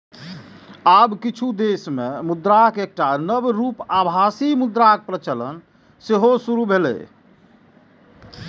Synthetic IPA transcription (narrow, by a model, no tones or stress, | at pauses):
abkit͡ʃʰud̪esmemud̪ɾakek̚ʈanəbɾupabʱasimud̪ɾak̚pɾət͡ʃələ̰n | seɦosuɾubʱelɛ̰